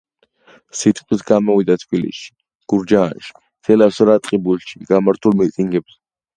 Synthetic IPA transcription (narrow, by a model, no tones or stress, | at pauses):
sit̪ʰʼqʼwisɡamɔwid̪at̪ʰbilḭsʃi̥ | ɡ̥uɾd͡ʒaːnʃi̥ | t̪ʰɛlapsɾat̪ʼqʼibulʃiɡ̥amaɾt̪ʰulmit̪ʼiŋɡɛbs